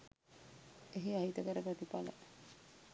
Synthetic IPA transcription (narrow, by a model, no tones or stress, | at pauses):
eɦiaɦit̪əkəɾəpɾət̪ipalə̰